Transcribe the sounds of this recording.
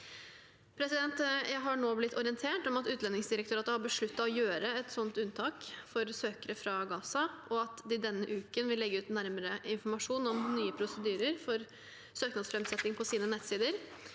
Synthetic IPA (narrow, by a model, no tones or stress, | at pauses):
pʰɾɛsɪd̪ɛnt̪jæɪɦɑɳoːblɪt̪ʰːɔɾɪənt̪ʰeːʈɔmɑt̪ʉːt̪lɛnːɪŋsd̪ɪɾək̚t̪ʰøɾɑt̪əhɑbəʂɭʉt̪ːɑɔjøːɾəɛt̪sɔnt̪ʉnt̪ʰɑːkfɔɾsøːkəɾəfɾɑɡɑːsɑʔɔɑt̪d̪ɪd̪ɛnːəʔʉːkənʋɪlːɛɡːəʉːt̪næɾməɾəɪnfɔɾmɑʂuːnɔmnyːəpʰɾʊsəd̪yːɾəɾfɔɾ | søːknɑd̪sfɾɛmsɛt̪nɪŋpʰɔsiːnənɛt̪siːd̪əɾ